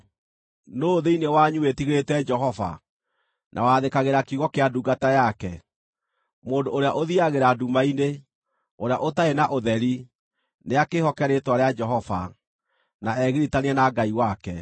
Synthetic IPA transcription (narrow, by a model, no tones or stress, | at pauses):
noːðeinewaɲuwetiɣɾetɛd͡ʒɛɦɔva̰ | nʔa̰waðekaɣeɾakiuɣɔkeaduɡatajakɛ | moːdoːɾeaʔoðiaɣeɾadumaine | oɾeaʔotaenaʔoðɛɾi | neakehɔkɛɾetwaɾead͡ʒɛɦɔva̰ | naɛɣiɾitaniɛnaɡaiwakɛ